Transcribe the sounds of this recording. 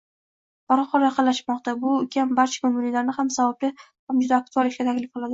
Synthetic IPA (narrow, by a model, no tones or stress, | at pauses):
baɾɒqʰɒlɒjqʰɑlaʃmɒqt̪abʊkʲʰambaɾt͡ʃʰḁkʊmʊnilaɾnɪhamsavab̚lɪ | hamd͡ʒʊd̪aːk̚t̪ʰualɪʃʲat̪ʰakʲlɪfqɨlˠad̪ɪ